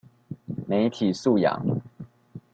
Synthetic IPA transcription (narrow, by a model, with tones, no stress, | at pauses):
me˧˥ɪt̪ʰi˨˩su˥˨jɑ̰˨˦ŋ